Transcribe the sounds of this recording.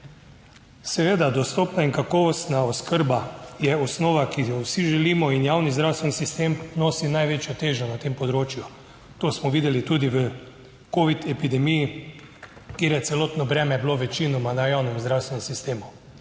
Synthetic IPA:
sɛʋeːd̪ad̪ɔst̪oːpnaiŋkakɔːʋɔst̪naɔskəɾbajɛɔsnoːʋakiwsiʒɛliːmɔinjawnizd̪ɾawst̪ʋɛnisist̪eːmnoːsinajʋeːt͡ʃjɔt̪eːʒɔnat̪eːmpɔd̪ɾoːt͡ʃju | t̪oːsmɔʋiːd̪ɛlit̪uːd̪iʋə | koːʋit̪ɛpid̪ɛmiji | kjeːɾjɛt̪sɛlɔːt̪nɔbɾɛːmɛbloʋɛt͡ʃinɔmanajawnɛmzd̪ɾawst̪ʋɛnɛmsist̪eːmu

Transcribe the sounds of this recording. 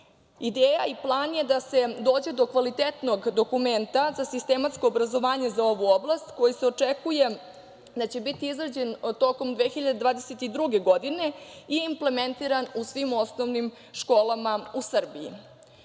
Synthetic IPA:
id̪eːjaiplˠaːnje̞d̪ase̞d̪o̞ːd͡ʑe̞d̪o̞kʋalit̪et̪no̞ɡd̪o̞kume̞nt̪azasist̪emat̪sko̞ːbɾazo̞ʋaːɲe̞zao̞ʋuoblˠast̪ko̞jiseot͡ʂekuje̞ | d̪at͡ɕe̞bit̪iizɾad͡ʑe̞nt̪o̞ko̞md̪ʋe̞ːxiʎad̪e̞d̪ʋaːd̪eset̪id̪ɾuɡe̞ɡo̞d̪ine̞ijeimple̞me̞nt̪iɾanusʋimo̞snoʋnim | ʃko̞ːlˠamausr̩biḭ

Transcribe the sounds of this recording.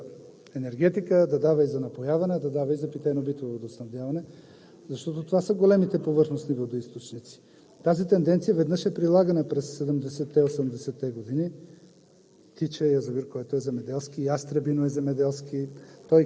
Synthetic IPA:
ɛnɛɾɡɛt̪ikəd̪ɐd̪avəizɐnɐpojavɐnɛd̪ɐd̪avɐizɐpit̪ɛnobit̪vovod̪osnɐvd̪javɐnɛ | zɐʃt̪ɔt̪ot̪ovasəɡolɛmit̪ɛpovɤɾxnosnivod̪oist̪ot͡ʃnit̪si̥ | t̪azit̪ɛnd̪ɛnt̪siəvɛd̪nɤʃɛpɾilˠaɡənəpɾɛsːɛd̪ɛmd̪ɛsɛt̪ːɛosəmd̪ɛsɛt̪ːɛɡod̪ini | t̪it͡ʃɛjɐzoviɾkoɛt̪oɛzɛmɛd̪ɛlˠskiast̪ɾɛbinoɛzɛmɛd̪ɛlˠskʲit̪ɔj

